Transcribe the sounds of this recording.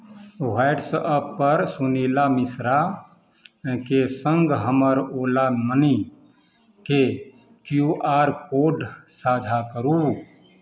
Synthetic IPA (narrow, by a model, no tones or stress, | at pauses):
ɦwaɪɖsʔəpːəɾsunilamisɾa | kesəŋɡɦəməɾolanəni | ke | kjuʔaɾkoɖsad͡ʒʱakəɾu